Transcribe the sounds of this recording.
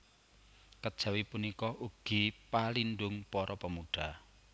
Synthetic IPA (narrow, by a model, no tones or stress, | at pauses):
kəd̥ʒ̥ä̤wipunikɔʔuɡ̥i̤palinɖʊŋpɔɾʔɔpəmuɖ̥a